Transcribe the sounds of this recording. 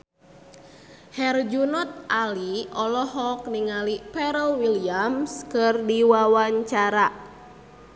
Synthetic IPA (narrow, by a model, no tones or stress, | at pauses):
hɛrd͡ʒunɔt̪̚ʔaliɔlɔhɔk̚niŋalipɛɾəlwiliamskɨrdiwawaɲt͡ʃaɾa